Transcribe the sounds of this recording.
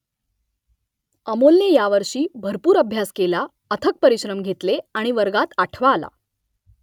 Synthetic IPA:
əmolnejaʋəɾʂiːbʱəɾpuːɾəbʱjaskela | ət̪ʰək̚pəɾiɕɾəmɡʱet̪leaɽ̃iʋəɾɡat̪aʈʰʋaːla̰

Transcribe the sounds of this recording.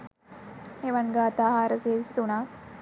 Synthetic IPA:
eʋɐŋɡaːɐt̪aːɦaːɾəseːʋisi̥t̪unaː

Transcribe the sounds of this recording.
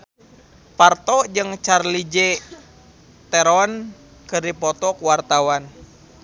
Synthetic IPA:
part̪ɔd͡ʒɨŋt͡ʃarlid͡ʒe | t̪ɛɾɔn | kɨrdipɔt̪ɔkwart̪awan

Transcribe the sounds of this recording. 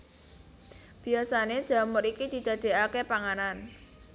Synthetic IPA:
b̥i̤asane̥ʒ̥a̤mʊɾikid̪̥i̤d̪̥a̤d̪̥e̤akepaŋanan

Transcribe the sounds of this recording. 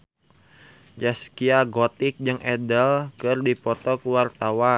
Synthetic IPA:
d͡ʒaskiaɡɔt̪ik̚d͡ʒɨŋʔɛdəlkɨrdipɔt̪ɔkuwart̪awa

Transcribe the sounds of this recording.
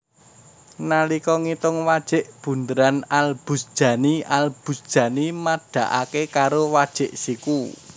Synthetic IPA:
nalikɔŋit̪ʊŋwad̥ʒ̥ɪ̤ʔb̥ṳnd̪əɾanalb̥ṳsd̥ʒ̥ä̤nialb̥ṳsd̥ʒ̥ä̤nimad̪̥ä̤ʔa̰kekaɾowad̥ʒ̥ɪ̤ʔsiku

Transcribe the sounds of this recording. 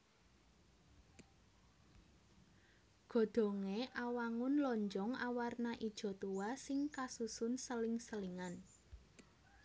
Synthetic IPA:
ɡ̥o̤d̪̥o̤ŋeʔawaŋʊnlɔɲd͡ʒɔŋawarnaʔid̥ʒ̥ɔ̤t̪uwasɪŋkasusʊnsəlɪŋsəliŋan

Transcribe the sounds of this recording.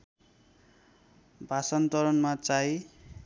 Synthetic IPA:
bʱasʌnt̪ʌɾʌnmat͡saj

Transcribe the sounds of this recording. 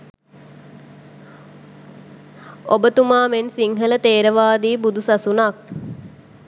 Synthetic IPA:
obət̪umaːmensiŋɦələt̪eːɾəʋaːd̪iːbud̪usasunak̚

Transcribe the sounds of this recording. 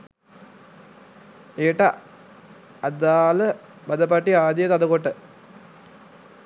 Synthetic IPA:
eːʈːɐ | ɐd̪aːlɐ | bɐd̪ɐpɐʈːiaːd̪jɐt̪ɐd̪ɐkoʈːɨ

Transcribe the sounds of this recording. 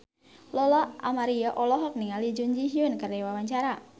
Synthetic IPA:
lɔlɔa̰maɾiɔʔɔlɔɦɔk̚niŋalid͡ʒuɲd͡ʒiɦiunkərdɛwawaɲt͡ʃaɾa

